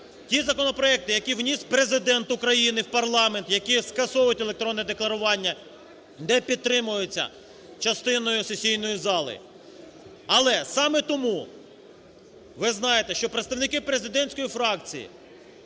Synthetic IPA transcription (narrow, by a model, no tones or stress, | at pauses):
tʲizɐkɔnɔpɾɔɛk̚t̪ɪjɐkʲiwnʲispɾe̞zɪd̪ɛnt̪ʊkɾɐjinɪwpɐrlˠɑme̞nt̪jɐkʲiskɐsɔwjʊtʲelˠekt̪ɾɔnːɛd̪eklˠɐɾʊʋɑnʲːɐ | nɛpʲid̪̚t̪ɾɪmʊjʊt͡sʲːɐ̰ | t͡ʃɐst̪ɪnɔjʊsesʲijnɔjizɑlˠɪ̰ | ɐlˠɛsɑmɛt̪ɔmu | ʋɪznɑjet̪ɛʃt͡ʃɔpɾet̪st̪ɐwnɪkɪpɾe̞zɪd̪ɛnʲsʲkɔjifɾɑkt͡sʲḭjḭ